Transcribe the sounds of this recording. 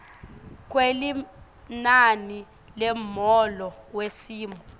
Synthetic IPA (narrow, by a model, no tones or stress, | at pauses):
k̬weli | nani | lɛmɔlɔwesiːmɔ